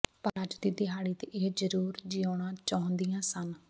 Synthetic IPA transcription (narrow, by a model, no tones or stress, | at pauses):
pəɾəd͡ʒd̪iːd̪ɪɦaːɽiːt̪eːʔeːd͡ʒəɾuːɾd͡ʒɪːoːɳãːt͡ʃaːʊ̃nd̪ijãːsən